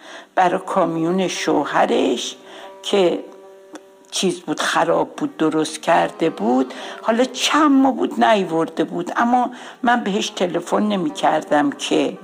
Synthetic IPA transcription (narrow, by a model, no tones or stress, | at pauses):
b̥æɾɒːkʰɒːmijune̞ʃohæɾeʃkʰe̞ | t͡ʃʰiːzbuːd̪̥xæɾɒːbːuːd̪̚ːoɾost̪cʲʰæɾd̪e̞buːd̪̥hɒːlɒːt͡ʃʰæmːobṵːd̪næjvoɾd̪e̞buːd̪æmːɒ | mænbe̞ɦe̞ʃt̪ʰe̞le̞fo̞nːe̞miːcʰæɾd̪æmcʰe̞